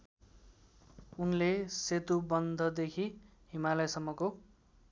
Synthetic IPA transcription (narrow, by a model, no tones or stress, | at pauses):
unleset̪ubʌnd̪ʱʌd̪ekʰi | ɦimalʌjsʌmːʌko